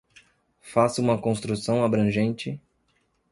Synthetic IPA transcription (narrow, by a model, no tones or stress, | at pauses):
fasũmɐkõst̪ɾusɐ̃w̃abɾɐ̃ʒẽnt͡ʃɪ